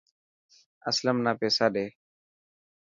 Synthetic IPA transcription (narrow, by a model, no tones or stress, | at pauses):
əsləmnaːpeːsaːɗeː